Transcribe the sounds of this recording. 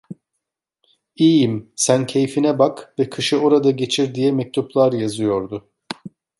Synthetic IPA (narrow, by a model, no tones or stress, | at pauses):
ijimsæncʰe̞jfinɛbakvɛkʰɯʃɯo̞ɾad̪aɟe̞t͡ʃʰiɾd̪ijɛmɛc̚t̪ʰuplˠaɾjazɯjo̞ɾd̪ʊ